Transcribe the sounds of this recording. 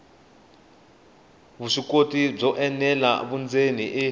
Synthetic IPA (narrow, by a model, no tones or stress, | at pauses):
βuʂikotib͡ʐɔʔɛnɛla̰βund͡zeniʔɛ